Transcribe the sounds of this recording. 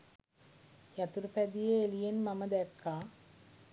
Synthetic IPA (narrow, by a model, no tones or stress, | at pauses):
jɐt̪uɾpɛd̪ijeːlijɐnmɐmɐd̪ɐkːaː